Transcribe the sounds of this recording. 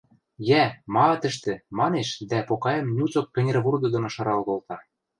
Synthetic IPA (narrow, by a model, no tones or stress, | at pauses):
jæmɑt̪ɘ̆ʃ̬t̪ɘ̆mɑneʃd̪æpokɑjɤ̆mnʲut͡sok̚kʲɘ̆nʲɾβurd̪ɤ̆d̪ŏnŏʃɑ̆ɾɑlɣŏlt̪ɑ